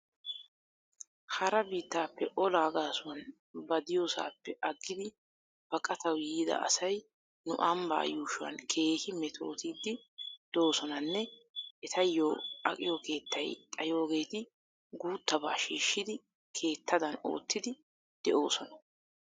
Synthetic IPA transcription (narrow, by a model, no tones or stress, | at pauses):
hɐɾɐbiːt̪ːaːpːɛʔɔlaːɡaːsʊwɐn | bɐd̪ɪjoːsa̰ːpːɛʔɐɡːɪd̪ɪ | b̥ɐkʼɐt̪ʰɐwjiːd̪ɐ̰ɐ̰sɐj | nʊʔɐmba̰ːjuːʃʊwɐ̰nkʰe̞ːhɪmɛt̪ʰo̞̰ːt̪iːd̪ːɪd̪̥o̞ːsɔnɐnːɛ | ʔɛt̪ɐjːoːɐ̰kʼɪjokʰe̞ːt̪ʰːɐjt̪ʼɐjo̞ːɡe̞ːt̪ɪ | ɡuːt̪ːɐba̰ːʃiːʃːɪd̪ɪ | kʰe̞ːt̪ʰːɐd̪ɐno̞̰ːt̪ːɪd̪ɪ | d̪̥ɛʔo̞ːsɔnɐ